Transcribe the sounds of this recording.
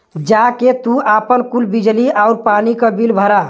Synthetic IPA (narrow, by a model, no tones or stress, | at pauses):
d͡ʒaket̪uapənkulbid͡ʒliaʊɾpanikəbilbʱəɾa